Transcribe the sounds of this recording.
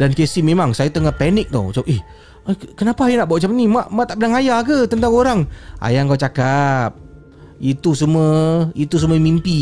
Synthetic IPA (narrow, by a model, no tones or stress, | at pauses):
dankesimemaŋsajat̪əŋahpɛnɪk̚t̪ɔ̰t͡ʃapʔɛh | kənapaːjanaʔbaaʔt͡ʃapnimaʔmaʔt̪aʔpənaŋajakət̪ənt̪aŋoɾaŋa̰jaŋkawt͡ʃakap̚ | it̪usuməit̪us̬uməmimpi